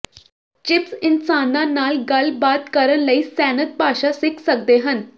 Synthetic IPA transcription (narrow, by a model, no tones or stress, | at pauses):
t͡ʃɪpsɪnsaːnãːnaːlɡəlbaːt̪kəɾənləiːsɛːnət̪̚paːʃaːsɪkʰsək̚d̪eːɦən